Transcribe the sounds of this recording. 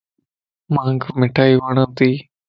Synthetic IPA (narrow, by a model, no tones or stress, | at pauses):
mãːŋɡmɪʈʰaːiːʋaːɳãːt̪iː